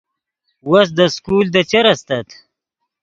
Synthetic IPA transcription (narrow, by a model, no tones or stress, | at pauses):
was̬d̪əskuːld̪ət͡ʃeɾɐst̪ɐt̪